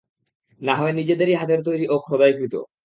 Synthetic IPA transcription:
naɦɔenid͡ʑed̪eɾiɦat̪eɾt̪ojɾiʔokʰɾod̪ajkɾit̪o̰

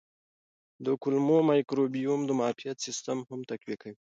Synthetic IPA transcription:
d̪əkʊlmomɑjkɾobijumd̪əmɑfijat̪sɪst̪amhamt̪akwjakawi

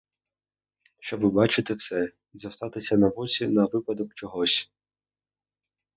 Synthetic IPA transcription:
ʃt͡ʃɔbʋɪbɑt͡ʃɪt̪ɪwsɛ | zɐst̪ɑt̪ɪsʲɐnɐʋɔsʲinɐʋɪpɐd̪ɔkt͡ʃɔɦɔsʲ

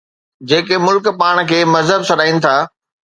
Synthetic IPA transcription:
d͡ʑeːkemʊlkpaːɽ̃kʰeːmɐzɦəbsɐɗaːinɪ̆t̪ʰaː

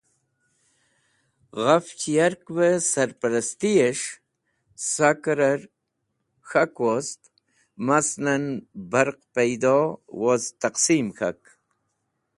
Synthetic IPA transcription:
ʁaft͡ɕijaɾkbəsaɾpɐɾɐst̪ijeʂ | sakɾaɾ | xakwost̪ | masnanbaɾqpajd̪owozt̪aqsimxa̰k

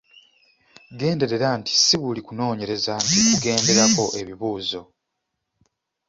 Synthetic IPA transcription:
ɡe̞ːnde̞ɾe̞ɾanti̥siβulikuno̞ːɲe̞ɾe̞zantikuɡe̞ːnde̞ɾako̞ʔe̞βiβuːzo̞

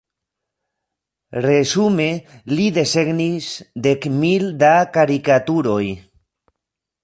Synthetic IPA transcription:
resumeliðe̞seɡnisd̪ekmild̪akaɾikat̪uɾoj

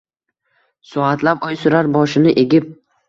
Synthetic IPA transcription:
sɒat̪lapɒjsʊɾaɾbɒʃɪnɪʔeɡʲɪp̚

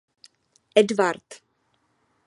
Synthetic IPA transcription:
ʔɛdvaɾt̪

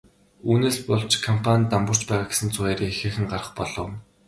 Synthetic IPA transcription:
uːneːspʊɮt͡ɕkʰɔm̥pʰanʲt̪ːampʊ̆r̥t͡ɕpæːʁaːɡe̥sɘ̆nt͡sʰʊæːɾiːxeːxɘ̆ŋɢarə̆χpɔɮɞ̆w

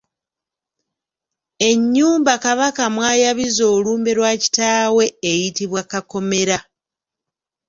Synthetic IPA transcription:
e̞ɲːuːmbakaβakamwaːjaβizo̞ːluːmbe̞ɾwaːci̥taːwe̞ːjitiβwakako̞meɾa

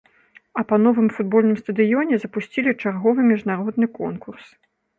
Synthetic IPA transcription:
ɐpɐnɔvɨmfud̪̚bɔlʲnɨmst̪ɐd̪ɨjɔnʲɛzɐpusʲt͡sʲilʲit͡ʂarɣɔvɨmʲiʐnaɾɔd̪nɨkɔnkurs

